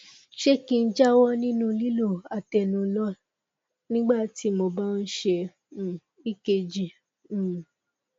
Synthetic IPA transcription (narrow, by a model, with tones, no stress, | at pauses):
ʃe˦kĩ˧n̩˦d͡ʒa˦wɔ˦nĩ˦nũ˦˧li˦lo˦˨a˨tɛ˨nũ˨˦lɔ˦ | nĩ˦ɡ͡ba˦˨ti˨˦mõ˧ba˦n̩˦ʃẽ˧˨ | i˦˨ke˧d͡ʒĩ˨